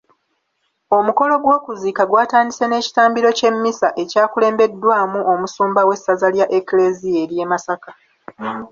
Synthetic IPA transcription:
o̞muko̞lo̞ɡwo̞ːkuziːkaɡwaːtaːnise̞ne̞ːci̥taːmbiɾo̞ce̞mːisaʔe̞caːkule̞ːmbe̞dːwaːmuʔo̞musuːmbawe̞sːazaljaʔekle̞zie̞lje̞ːmasaka

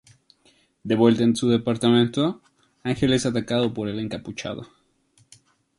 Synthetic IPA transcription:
d̪e̞βwe̞lt̪aensuðe̞paɾt̪amẽnt̪o | aŋxe̞le̞sat̪akaðopo̞ɾe̞le̞ŋkaput͡ʃa̰ðo̰

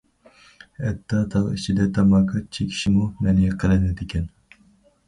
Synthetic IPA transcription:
ɛt̪ʰːɑt̪ʰɑlit͡ʃʰid̪ɛt̪ʰɑmɑːqʰɑt͡ʃʰikʲʰi̥ʃimumɛnɪqʰəlɪnɪd̪ɪkʲʰɛn

